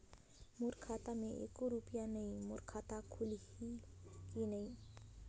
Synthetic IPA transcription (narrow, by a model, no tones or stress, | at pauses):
mʊɾkʰaːt̪amẽʔḛːkoɾupijanəɦĩmʊɾkʰaːt̪akʰʊlikinəĩ